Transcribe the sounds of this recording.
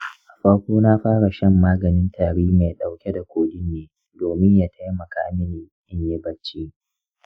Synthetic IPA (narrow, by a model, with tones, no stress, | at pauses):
ʔa˨ɸɐ˦ɽkʷoː˦naː˦ɸaː˦ɽa˨ʃɐ˦mːaː˦ɡɐ˨nɪ˦ntʰaː˨ɽiː˦meː˨ɗa˨wkʲɛ˦da˨kʷʰoː˦ɗi˦nːeː˨ | doː˨mɪ˦ɲjaː˦tʰɐ˦jmɐ˨kaː˦mɪ˦ni˨ʔɪ˦ɲje˦bɐ˦t͡ʃːiː˦